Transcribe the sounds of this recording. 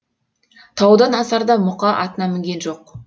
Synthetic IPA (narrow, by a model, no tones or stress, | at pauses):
t̪ʰɑwd̪ɑnɑsɑɾd̪ɑmʊqɑʔɑ̰t̪ənɑmɪŋɡʲe̞nʒo̞q